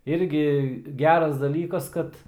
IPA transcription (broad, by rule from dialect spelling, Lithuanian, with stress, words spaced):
ˈɪrʲɡʲɪ ˈɡʲæːrɐs dɐˈlʲiːkɐs ˈkɐt